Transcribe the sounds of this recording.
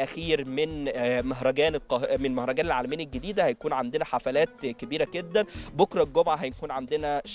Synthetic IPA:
ʔæxiːɾmenmæɦɾˤɑɡæːnelqɑmenemæhɾˤɑɡæːnelʕaːlæmiːnelɡed̪iːd̪æhæjækuːnʕand̪enæħafælæːt̪kebiːɾæɡed̪ːænbokɾˤɑlɡomʕaɦæjækuːnʕand̪enæʃ

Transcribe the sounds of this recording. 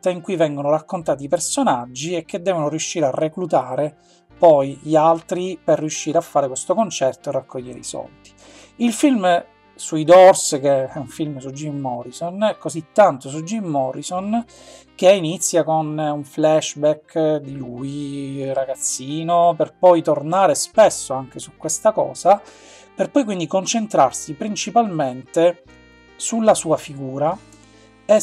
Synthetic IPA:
t̪aiŋkujvɛŋɡonoɾakːont̪aːt̪iːpersonad͡ʒːiek̟ːed̪ːɛːvonoɾijuʃːiːɾearːeklut̪aːɾe | pɔjʎialt̪ɾiperːiuʃːiːɾeafːaːɾekwest̪okont͡ʃɛrt̪oerːakːoʎːeɾḛisɔ̰ld̪i̥ | ilfilm | suid̪ɔrsk̟eɛuɱfilmsud͡ʒːimːɔɾisonɛkozit̪ːant̪os̬ud͡ʒːimːɔɾison | k̟einit̪sːjakonuɱflɛʃbɛkːd̪iluiraɡat̪sːiːnoperpɔjt̪ornaːɾespesːoaŋk̟esukːwest̪akɔ̰ːza | perpɔjkwind̪ikont͡ʃent̪ɾarsipɾint͡ʃipalment̪e | sulːasuːafiɡuːɾa | ɛ

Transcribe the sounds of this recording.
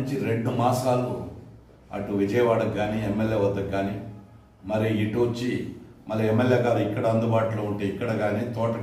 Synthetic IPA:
ɲt͡ʃiɾe̞ɳɖumaːsaːlːu | ɐ̰ʈuʋid͡ʒɐjɐʋaːɽɐkːaːniemːeljeːʋɐd̪ːɐɡːaːni | mɐɾiːʈuot͡ʃːimɐlːiemːeljeːkaːɾuikːɐɽɐɐnd̪ubaːʈuloːuɳʈe̞ːikːɐɽɐɡaːniːt̪ɔːʈɐ

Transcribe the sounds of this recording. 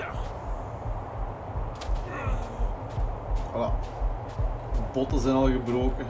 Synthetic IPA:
a | ala | dəbɔtəzɛnɑlˠɣəbroːkə

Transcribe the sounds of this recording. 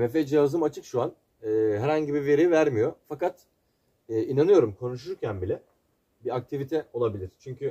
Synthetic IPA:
vefed͡ʒijazɯmat͡ʃʰɯkʃuan | ɯːɦɛɾhaɲɟibive̞ɾijvæɾmijo̞fakat̪ː | ʔinanɯjo̞ɾumkʰo̞nuʃ̬uɾcʰænbilʲɛ | biak̚t̪ʰivit̪ʰɛo̞lˠabilʲiɾ̥t͡ʃʰyɲcʰy

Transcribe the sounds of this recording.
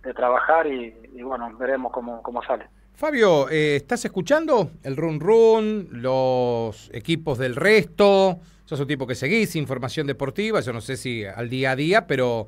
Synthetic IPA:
d̪et̪ɾaβaxaɾiːβwenobeɾemohkomokomosale | faβjoeːst̪asehkut͡ʃand̪o̞elrunrunlose̞̰kipo̞zðe̞lrest̪o | ʒ̥aes̬unt̪ipo̞ke̞se̞ɣisiɱfo̞ɾmasjo̞nd̪epo̞ɾt̪iβaʒo̞nose̞sia̰ld̪iaðiapeɾo̞

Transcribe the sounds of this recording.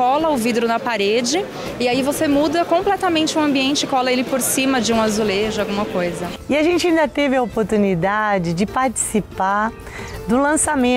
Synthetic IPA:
ɔlɐʊvid̪ɾʊnɐpaɾed͡ʒɪ | ɪaivosemud̪ɐkõmplɛt̪ɐmẽnt͡ʃɪũɐ̃mbiẽnt͡ʃɪkɔlɐelɪpoɾsĩmɐd͡ʒɪũazuleʒʊawɡũmɐkojzɐɪaʒẽnt͡ʃɪaĩnd̪ɐt̪evɪopoɾt̪unid̪ad͡ʒɪd͡ʒɪpaɾt͡ʃi̥sipa | d̪ʊlɐ̃samẽ

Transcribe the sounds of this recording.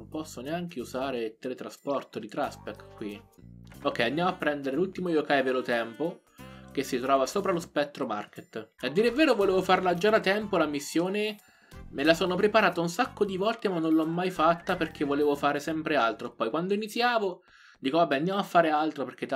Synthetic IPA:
mpɔsːoneaŋkeuzaːɾet̪elet̪ːɾaspɔrt̪od̪it̪ɾaspɛkkːwi | okːɛjand̪jamoapːɾɛnd̪eɾelult̪imojokajveːlot̪ɛmpo | k̟esːit̪ɾɔːvasoːpɾalospɛt̪ːɾoma̰rket̪ːad̪ːiːɾevːeːɾovoleːvofarlad͡ʒːad̪at̪ɛmpolamisːjoːne | melasoːnopɾepaɾaːt̪aunsakːod̪ivɔlt̪emanːõnlːɔmːajfat̪ːaperk̟ʰevːoleːvofaːɾesɛmpɾealt̪ɾopɔjkwand̪oinit̪sːjaːvo | d̪iːkovabɛand̪jaːmoafːaːɾealt̪ɾoperk̟ːet̪ː

